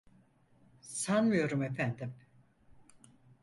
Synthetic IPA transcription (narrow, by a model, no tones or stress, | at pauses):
sanmɯjo̞ɾume̞fænd̪im